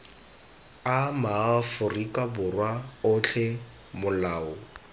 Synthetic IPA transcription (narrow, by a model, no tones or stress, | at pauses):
amaːfʊrikʼabʊrwaʊt͡ɬʰɛ | mʊlaːʊ